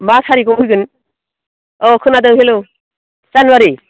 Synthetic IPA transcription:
masʰaɾikɔmujɡɯn | ɔkʰɯnadɯŋhelo | sanwaɾi

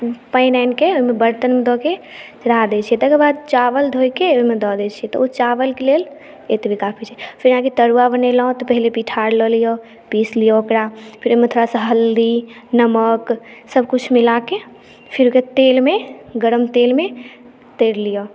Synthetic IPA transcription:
pəɪnaɪnkeomebəɾt̪ənmed̪ɔket͡ʃəɾad̪ɛt͡ʃʰijɛt̪əɡəɾbad̪̚t͡ʃaʋəld̪ʱojkeoimed̪ɔd̪ɛt͡ʃʰijɛt̪ɔot͡ʃaʋəlkelel | et̪ebʱikapʰit͡ʃʰɛpʰiɾɦãkit̪əɾuabənelɔɔ̃t̪ɔpəɦilepiʈʰaɾlɔlijɔ | pislijɔokɾapʰiɾomet̪ʰoɾasə̃ɦəld̪i | nəməksəbʱkut͡ʃʰmilake | pʰiɾoket̪elmeɡəɾəmt̪elme | t̪eɾlijɔ

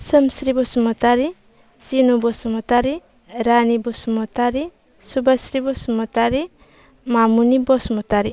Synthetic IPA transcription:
səmsɾibɔsumɔtaɾi | sinubɔsɔmɔtaɾi | ɾanibɔsumɔtaɾi | subasɾibɔsumɔtaɾi | mamunibɔsmɔtaɾi

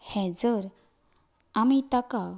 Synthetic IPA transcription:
hɛ̃d͡zəɾ | amit̪aka

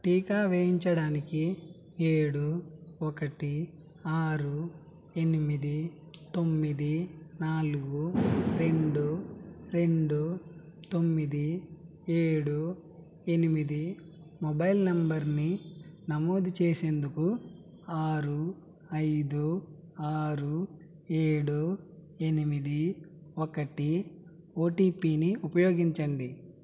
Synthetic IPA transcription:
ʈiːkaːʋeːɦiɲt͡ʃɐɽaːniki | eːɽuɔkɐʈi | aːɾu | e̞nimid̪i | t̪o̞mːid̪inaːluɡuɾe̞ɳɖuɾe̞ɳɖut̪o̞mːid̪i | eːɽu | e̞nimid̪i | mɔbɐjlnɐmbɐɾninɐmoːd̪ʱit͡ʃeːse̞ːnd̪uku | aːɾu | ɐjd̪u | aːɾu | eːɽu | enimid̪iokɐʈi | oːʈiːpiːniupɐjo̞ːɡiɲt͡ʃɐɳɖi

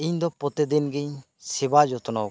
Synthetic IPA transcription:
iɲd̪ɔpɔt̪ɛd̪inɡiɲ | sɛbad͡ʒɔt̪ɔnɔw

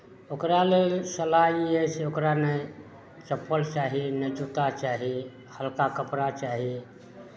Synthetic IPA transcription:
okɾalelsəlaiɛseokɾanə | t͡ʃəpəlt͡ʃaɦinəd͡ʒut̪at͡ʃaɦi | həlkakəpɾat͡ʃaɦi

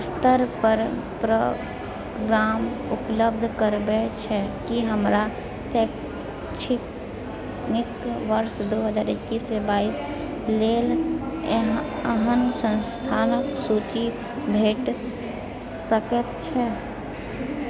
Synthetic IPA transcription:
st̪əɾpəɾ | pɾə | ɡɾaːm | ʊpləb̚d̪ʱkəɾbet͡ʃʰɛkiɦəmɾa | sɛ | t͡ʃʰɪk | nɪkʋəɾʃd̪oɦəd͡ʒaːɾɪkːisebaːis | lel | əɦənsə̃nst̪ʰaːnsut͡ʃi | bʱeːʈ | səkət̪t͡ʃʰɛ

